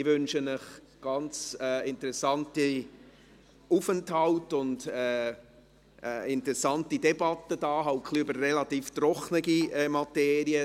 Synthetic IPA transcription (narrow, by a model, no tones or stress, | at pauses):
ɪvʏnʃənəχ | ɡ̥ɑnt͡sɛɪntəɾɛsɑnti | ufənthɑltʊndɛː | ɛɪntəɾɛsɑntidɛbɑtəd̥ɑːɦaʊkχliøbərːɛlɑtiːftrɔχnəɡiɛmɑtɛːɾiə